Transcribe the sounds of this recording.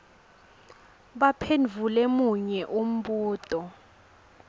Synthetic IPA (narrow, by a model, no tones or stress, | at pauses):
ɓapʰend͡vʱulɛmuɲɛʔum̩ɓuːtʼɔ